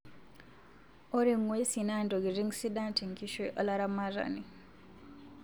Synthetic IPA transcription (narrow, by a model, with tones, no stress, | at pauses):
o˦ɾi˨ŋwe˦si˨na˦˨ndo˨ɡi˨zi˦ŋsi˦dã˦nti˨ŋki˦ʃoʔo̰˦la˦ɾa˦ma˦za̰˨ni